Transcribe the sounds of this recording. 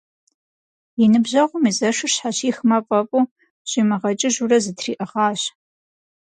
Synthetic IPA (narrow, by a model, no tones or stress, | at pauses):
jɪnɨbʑɐʁʷʊmizɐʂɨɕħaɕiːxmɐpʼɐpʼuː | ɕimɐʁɐt͡ʃʼɪʒurɐzɨtʰrḭːʔɨʁɑːɕ